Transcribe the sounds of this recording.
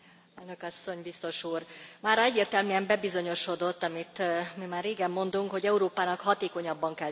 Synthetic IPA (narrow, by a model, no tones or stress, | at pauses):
ɛlnø̞kɒsːo̞ɲbist̪o̞ʃuːrmaːɾɒɛɟːeːrt̪ɛlmyɛmbɛbizo̞ɲo̞ʃo̞d̪o̞t̪ːɒmit̪mimaːrːeːɡɛmːo̞nd̪uŋkho̞ɟɛuɾoːpaːnɒkhɒt̪eːko̞ɲɒbːɒŋkɛl